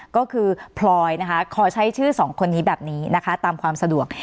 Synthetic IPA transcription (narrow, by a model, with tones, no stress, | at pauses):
kɔː˥˩kʰɯː˧pʰlɔː˧jna˦˥kʰa˦˥kʰɔː˧˩t͡ɕʰa˦˥jt͡ɕʰɯː˥˩sɔː˩˦ŋkʰo˧nːiː˦˥bɛː˨˩p̚niː˦˥na˦˥kʰa˦˥t̪aː˧mkʰwaː˧msa˧du˨˩ək̚